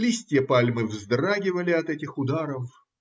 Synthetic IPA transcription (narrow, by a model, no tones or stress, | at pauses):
lʲisʲtʲɪjəpalʲmɨvzd̪raɡʲɪvəlʲɪɐt̪ɛtʲɪxʊd̪aɾəf